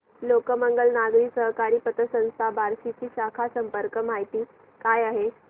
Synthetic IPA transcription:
lokəməŋɡəlnaɡɾiːsəɦkaɾiːpət̪əsə̃ñst̪ʰabʱaɾsit͡ɕiːɕakʰasəmpəɾkəmaɦit̪iː | kajaɦe

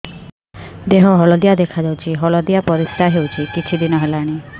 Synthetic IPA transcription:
d̪eɦɔɦɔlɔd̪ijad̪ekʰad͡ʒawt͡ʃʰiɦɔlɔd̪ijapɔɾist̪aɦewt͡ʃʰikit͡ʃʰid̪inɔɦelaɽ̃i

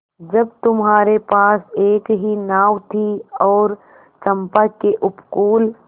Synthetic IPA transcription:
d͡ʒɐbt̪ʊmɦaːɾepaːseːkɦinaːwt̪ʰiɔːɾ | t͡ʃɐ̃mpakeʔʊpkuːl

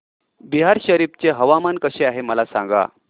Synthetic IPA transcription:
biɦaɾɕəɾipt͡ɕeɦəʋamankəɕeaɦeməlasã̰ŋɡa̰

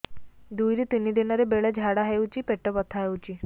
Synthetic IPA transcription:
d̪ujɾit̪inid̪inɔɾebeɭɛd͡ʒʱaɽaɦewt͡ɕipeʈːɔbɔt̪ʰaɦewt͡ɕi

